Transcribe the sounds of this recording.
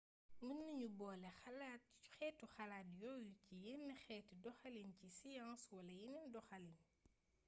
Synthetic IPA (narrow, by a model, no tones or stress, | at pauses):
mənːiɲubɔːlɛxɐlat̚u̥xɛtːuxɐlaːtjɔjucijinːixɛːtidɔxɐlincisijãŋswɐlɐjinindɔxɐlin